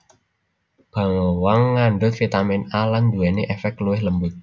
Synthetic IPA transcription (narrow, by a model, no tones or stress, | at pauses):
b̥a̤ŋowaŋːaɳɖʊt̪̚fit̪amɛnaland̪uɛneʔɛfɛk̚luwɪhləmbʊt̪̚